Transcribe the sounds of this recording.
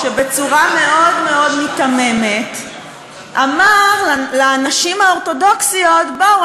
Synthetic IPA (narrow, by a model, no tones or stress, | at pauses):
ʃebe̞t͡suʁame̞ʔo̞dme̞o̞dmitame̞me̞t | ʔamaʁlaːnaʃimhaoʁto̞do̞ksio̞tbau